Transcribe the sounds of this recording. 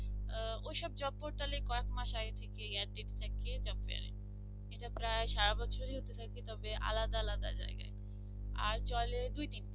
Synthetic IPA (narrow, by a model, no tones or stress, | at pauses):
ojʃɔb̚d͡ʑɔbːoɾʈalekɔekmaʃaɡet̪ʰekeɡɛɖʈ̪eʈe̥t̪ʰaked͡ʑɔbfea̰ɾḛ | eʈapɾaeʃaɾabɔt͡ɕʰoɾeɦot̪et̪ʰaket̪ɔbeʔa̰lad̪aalad̪a̰d͡ʑa̰eɡa̰e | a̰ɾt͡ɕɔled̪ujd̪in